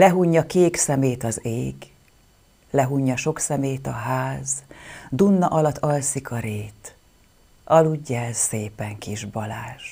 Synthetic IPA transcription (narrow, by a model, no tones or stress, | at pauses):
lɛɦuɲːɒkeːksɛmeːt̪ɒzeːɡ | lɛɦuɲːɒʃo̞ksɛmeːt̪ɒɦaːzd̪unːɒʔɒlɒt̪ːɒlsikʰɒɾeːt̪ | ʔɒluɟːɛɛsseːpɛŋkiʒbɒlaːʃ